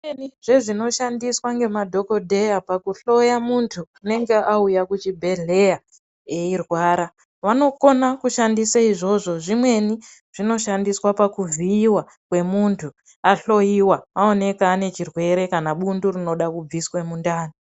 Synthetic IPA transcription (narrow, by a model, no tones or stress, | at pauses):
eniʐ̥e̞ʐino̞ʃandiswaŋɡe̞madʱo̞ko̞dʱe̞japakuɬo̞jamuntʰuane̞ŋɡe̞ʔaujakut͡ʃibʱe̞ɮe̞ja | eirwaːɾa | ʋano̞ko̞nakuʃandisaiʐo̞ʐo̞ʐimwe̞ni | ʐ̥ino̞ʃandiswapakuviːwa | kwe̞muntʰu | aɬo̞jiwaao̞ne̞kaːne̞t͡ʃirwe̞ɾe̞kanaɓundurino̞ɗakub͡viswemundaːni